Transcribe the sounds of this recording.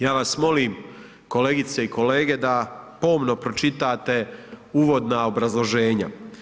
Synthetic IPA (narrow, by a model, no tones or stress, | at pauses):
jaːʋasmo̞liːm | ko̞le̞ːɡit̪se̞iko̞le̞ːɡe̞d̪apo̞ːmno̞pɾo̞t͡ʃit̪aːt̪e̞uːʋo̞d̪nao̞bɾazlˠo̞ʒe̞ːɲa̰